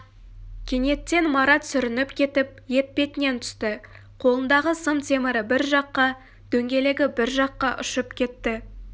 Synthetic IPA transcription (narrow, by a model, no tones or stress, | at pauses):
kʲʰe̞ne̞t̪ːe̞nmɑɾɑt̪sʏɾɪnɪpkʲʰe̞t̪ɪp̚je̞t̪̚pe̞t̪ɪne̞nt̪ʰʏ̥st̪ɪ | qʰo̞lˠənd̪ɑʁəsəmt̪ʰe̞mɪɾɪbɪɾʒɑqːɑ | d̪̥ɵŋɡʲe̞le̞ɡʲɪbɪɾʒɑqːɑʔʊ̰ʃəpkʲʰe̞t̪ːɪ